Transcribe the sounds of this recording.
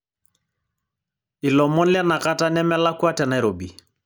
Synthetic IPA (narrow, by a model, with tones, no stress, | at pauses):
ɪ˨lɔ˨mɔ˦n˦lɪa˦na˨ka˦ta˦nɛ˦mɛ˦la˦kwa˦tɛ˨na˨ɛ˨ɾo˨bḭ˨